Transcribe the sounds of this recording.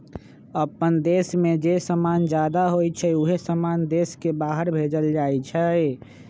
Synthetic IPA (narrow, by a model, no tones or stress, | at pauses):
əpənd̪esmed͡ʒesəmand͡ʒad̪aɦojt͡ʃʰɛuɦesəmand̪eskebaɦəɾbʱed͡ʒəld͡ʒajt͡ʃʰə